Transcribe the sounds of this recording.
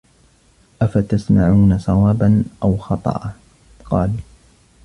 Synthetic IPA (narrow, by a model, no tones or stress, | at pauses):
ʔafat̪asmaʕuːnasˤɑwɑːbanʔawxɑt̪ˤɑ̰ʔɑ | qɑːl